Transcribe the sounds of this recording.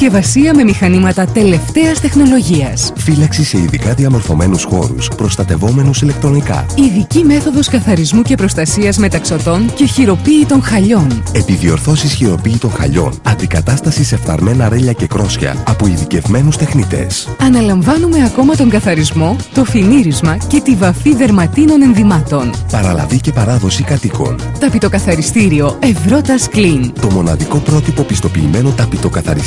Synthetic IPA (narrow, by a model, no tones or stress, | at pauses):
ce̞vɐsiɐme̞mixɐnimɐt̪ɐt̪e̞le̞ft̪e̞ɐst̪e̞xno̞lo̞ʝiɐsfilɐksise̞iðikɐðiɐmo̞ɾθo̞me̞nusxo̞̰ɾṵspɾo̞st̪ɐt̪e̞vo̞me̞nusile̞k̚t̪ɾo̞nikɐ̰iðicime̞θo̞ðo̞skɐθɐɾizmuce̞pɾo̞st̪ɐsiɐzme̞t̪ɐksot̪o̞nce̞çiɾo̞piːt̪o̞ŋxɐʎo̞ne̞pivio̞ɾθo̞sisçiɾo̞piːt̪o̞nxɐ̰ʎo̞̰nɐnd̪ikɐt̪ɐst̪ɐsise̞fθɐ̰ɾme̞nɐɾe̞ʎɐce̞kɾo̞sçɐ̰ɐpoiðice̞vme̞nust̪e̞xnit̪e̞̰sɐnɐlɐɱvɐnume̞ɐko̞mɐt̪o̞ŋɡɐθɐɾizmo̞t̪o̞finiɾizmɐce̞t̪ivɐfiðe̞ɾmɐt̪ino̞ne̞nðimɐt̪o̞npɐɾɐlɐ̰vice̞pɐɾɐðo̞sikɐt̪iko̞̰n | t̪ɐpit̪o̞kɐθɐɾist̪iɾio̞e̞vɾo̞t̪ɐsklint̪o̞mo̞nɐ̰ðiko̞pɾo̞t̪ipo̞pist̪o̞piːme̞no̞t̪ɐpit̪o̞kɐθɐ̰ɾis